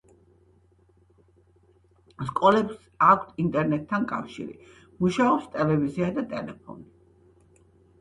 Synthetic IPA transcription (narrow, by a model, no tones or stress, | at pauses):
skʼɔlɛps | akʷʰt̪ʰint̪ʼɛɾnɛt̪ʰːankʼa̰fʃḭɾḭ | muʃaɔpst̪ʼɛlɛviziad̪at̪ʼɛlɛpʰɔ̰ni